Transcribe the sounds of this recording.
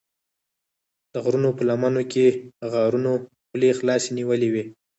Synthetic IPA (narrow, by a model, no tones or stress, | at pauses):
d̪̥əɣɾunopəlamɑnokʰeɣɑɾuno | plexlɑseniwəliwi